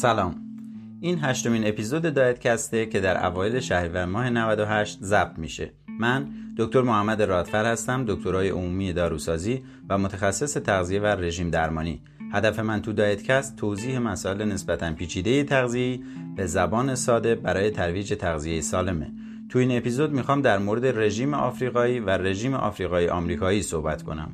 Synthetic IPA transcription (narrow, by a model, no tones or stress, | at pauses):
sælɒːm | ʔinɦæʃt̪o̞miːne̞pizo̞d̪ed̪ɒːjet̪cʰæst̪e̞cʰe̞d̪æɾʔæ̰vɒːjele̞ʃæhɾiːvæɾmɒːɦe̞nævæd̪o̞ɦæʃt̪zæb̥̚t̪mḭːʃe̞̰ | mænd̪o̞kt̪o̞ɾmohæmːæd̪e̞ɾɒːt̪fæɾhæst̪æmd̪o̞kt̪ʰoɾɒːjeʔomuːmijed̪ɒːɾusɒːziː | væmot̪ʰæxæsːese̞t̪ʰæɣzije̞værːe̞ʒiːmd̪æɾmɒːnḭː | hæd̪æfe̞mænt̪ʰud̪ɒːjet̪cʰæst̪ʰoziːhemæsɒːe̞lene̞sbæt̪ʰænpʰiːt͡ʃʰiːd̪e̞jet̪ʰæɣzije̞iː | bezæbɒːne̞sɒːd̪e̞bæɾɒːje̞t̪ʰæɾviːd͡ʒe̞t̪ʰæɣzije̞jesɒːle̞me̞̰ | t̪ʰuiːne̞pizo̞d̪mixɒːmd̪æɾmoɾe̞d̪e̞re̞ʒiːmeʔɒːfɾiːɣɒːiːvære̞ʒiːmeʔɒ̰ːfɾiːɣɒːjeʔɒːmɾiːkʰɒːjiːsohbæt̪ʰkʰo̞̰næ̰m